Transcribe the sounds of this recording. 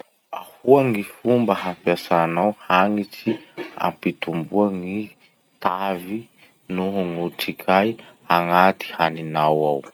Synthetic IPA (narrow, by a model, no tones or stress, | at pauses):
a̰huaŋifumbəɦampjasanawhaŋit͡sia̰mpit̪umbuaŋi | t̪avi | nuɦuŋuʈ͡ʂikʰajaŋat̪i̥haninawaw